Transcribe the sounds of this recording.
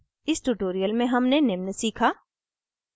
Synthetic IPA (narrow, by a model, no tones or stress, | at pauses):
ɪsʈuʈoːɾijəlmẽɦɐmnenɪmnəsiːkʰaː